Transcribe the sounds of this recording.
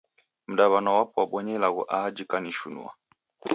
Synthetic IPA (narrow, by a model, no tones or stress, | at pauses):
m̩ɗaβanɔwapɔwaɓwɔɲɛlaɣṵʔad͡ʒikaniʃṵnṵa̰